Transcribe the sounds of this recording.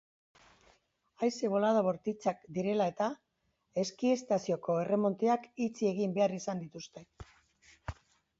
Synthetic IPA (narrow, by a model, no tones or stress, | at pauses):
ajse̞βo̞lað̞oβo̞ɾt̪it͡sakd̪iɾe̞lae̞t̪a | e̞skie̞st̪asio̞ko̞e̞re̞mo̞nt̪eakit͡sie̞ɣ̞imbe̞arisand̪it̪ust̪e̞